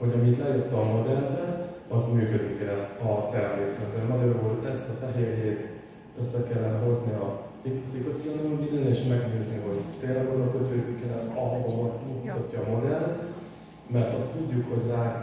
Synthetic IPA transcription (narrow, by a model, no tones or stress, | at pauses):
ho̞ɟɒmit̪lɛjøt̪ːɒmo̞d̪ɛlbɛɒzmyːkø̞d̪ikɛlɒt̪ɛrmeːsɛt̪ɛmɒɟɒɾuːlɛst̪ɒfɛɦeːɾeːt̪ | øsːɛkɛlːɛnɛɦo̞zniɒ | ifikot̪sionumbilɛneːʃmɛɡneːzniɦo̞ɟt̪ɛɾbonɒkøt̪ʋøːɡ̪ikɛɾɛt̪ɒɦɒɡomot̪ut̪ɒcːɒːmo̞d̪ɛr | mɛrt̪ɒst̪ːuɟːukho̞ɟraː